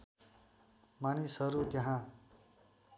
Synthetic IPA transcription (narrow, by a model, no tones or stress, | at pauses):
manisɦʌɾut̪jʌɦã